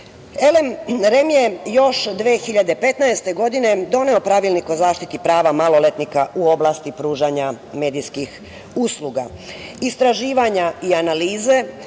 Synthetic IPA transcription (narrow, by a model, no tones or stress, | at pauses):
e̞le̞mɾe̞mjejo̞ʃd̪ʋeːxiʎad̪e̞pe̞t̪naest̪e̞ɡo̞d̪ine̞d̪o̞ne̞o̞pɾaʋilniko̞zaːʃt̪it̪ipɾaːʋamalo̞le̞t̪nikaʔuo̞blast̪ipɾuːʒaɲa | me̞ːd̪ijskix | usluɡa̰ | ist̪ɾaʒiːʋaɲaianaliːze̞